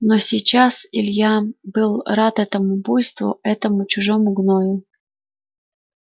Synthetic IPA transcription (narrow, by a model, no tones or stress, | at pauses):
nosʲɪjt͡ɕasɪlʲjabɨlˠrat̪ɛt̪əmʊbojst̪vʊ̰ɛt̪əmʊt͡ɕʊʐomʊɡnojʊ